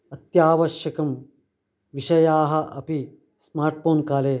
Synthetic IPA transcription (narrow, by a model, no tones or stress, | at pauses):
ɐt̪jaːʋɐʃjɐkɐm | ʋiʃɐjaːɦɐ̆ʔɐ̰pi | smaːɾʈ̚foːnkaːleː